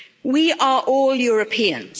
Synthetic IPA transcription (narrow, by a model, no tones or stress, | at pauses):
wiːʔəɹʔɔːljɔːɹəpʰiːə̰̃nz̥